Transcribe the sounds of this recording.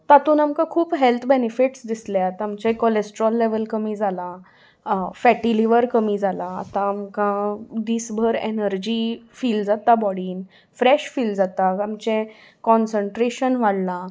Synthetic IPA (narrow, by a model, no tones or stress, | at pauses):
t̪at̪uːnamkãkʰuːpɦelt̪ʰbenifiʈsd̪isljat̪amt͡ɕɛ̃kolesʈəɾɔlːeʋəlkəmiːd͡zala | fɛʈiliʋəɾkəmiːd͡zalaa̰t̪ãːmkãd̪iːsbʱəɾḛnəɾd͡ʑiːfiːld͡zat̪abɔɽiːn | fɾeɕfiːld͡zat̪aamt͡ɕẽ | kɔnsəɳʈɾeɕənʋaɽlã